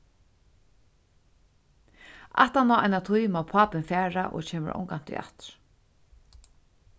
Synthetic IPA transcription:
a̰ht̪anaːa̰jnat̪ʰujmawpʰaːpɪnfæːɹaʔɔ̰ɣt͡ʃʰeːmɪ̰ɾʔɔ̰wŋkant̪ɪ̰ʔa̰ht̪ɾ̥

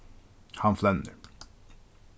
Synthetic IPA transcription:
hɑnflɛnːə̰

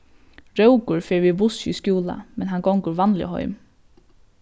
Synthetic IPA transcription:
ɹœwkʊɹfɛːɹʋibʊsḭskjuːla̰mɛnɦanɡɔŋkʊɹʋanlɪ̰ɦɔ̰ʏm

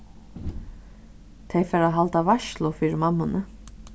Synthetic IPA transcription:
t̪ʰɛjfɛːɾaɦalt̪avaʃlʊfiːɾɪmamːʊnə

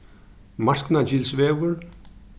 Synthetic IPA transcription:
masknad͡ʑilsʋeːʋəɾ

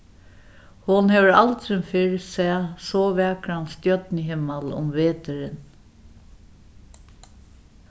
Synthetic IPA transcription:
hʊnhɛʋəɾa̰lt̪ɾɪnfɪɹsɛːsɔʋɛːkɾanst̪jœt̪nɪɦɪmalʊ̰mʋeːt̪ɪɾɪn

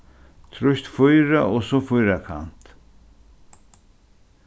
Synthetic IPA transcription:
t̪ʰɾʊʃt̪fʊjɾaʔosofʊjɾakʰa̰nt̪

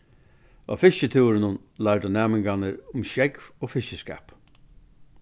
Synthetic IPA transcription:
a̰fɪʃət̪ʰuːɾɪnʊn | lad̪ʊnæːmɪŋɡanəɾʊmʃɛkvoːfɪʃəskɛ̰ːp

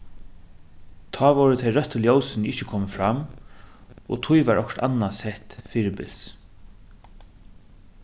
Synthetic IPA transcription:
t̪ʰɑːʋɔɾət̪ʰejɾœht̪ːəljowsɪnɪht͡ʃɪkʰɔːməfɾam | ɔ̰t̪ʰʊjʋaɹʔɔ̰kt̪a̰nːasɛht̪fiːɾɪbɪ̰ls

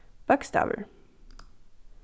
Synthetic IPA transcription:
b̥ʌksta̰və̰˞

